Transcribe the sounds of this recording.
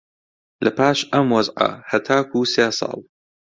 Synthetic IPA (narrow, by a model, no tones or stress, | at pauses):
lɐpʰaːʃɐmwɐzʕɐ̰hɐt̪ʰaːkʰuseːsˤɑ̰ːlˠ